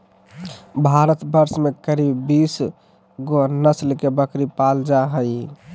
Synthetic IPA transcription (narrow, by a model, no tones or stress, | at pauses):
bʱaɾət̪bəɾsmekəɾibbis | ɡonəslkebəkɾipald͡ʒaɦəj